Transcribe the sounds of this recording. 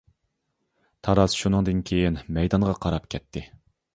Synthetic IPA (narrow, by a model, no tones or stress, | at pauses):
t̪ʰɑɾɑsʃunɨŋd̪ɨnkʲʰejinmɛjd̪ɑnʁɑqʰɑɾɑpkʲʰɛt̪ʰːɪ